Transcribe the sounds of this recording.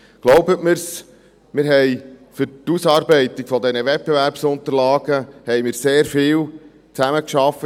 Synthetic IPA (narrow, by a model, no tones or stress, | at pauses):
ɡ̥loʊbətmɪɾs | mɪːɾɦɛjfʏɾtusɑːɾbɛɪt̪iɡ̥fɔd̪ɛnəʋɛt̚b̥evæɾpsʊnt̪əɾlɑːɡ̥əhɛjmɪːɾseːɾfɪːl | t͡sæməkʃɑfə